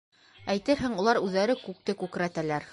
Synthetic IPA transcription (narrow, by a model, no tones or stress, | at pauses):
æjt̪ɘɾɦæŋulˠɑɾʉðːæɾɘkʉk̚t̪ɘkʉkɘ̆ɾæt̪ælæɾ